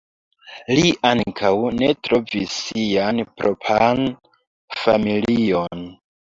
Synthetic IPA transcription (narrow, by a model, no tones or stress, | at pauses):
liʔaŋkʰawne̞tɾo̞visːianpɾopʰan | familion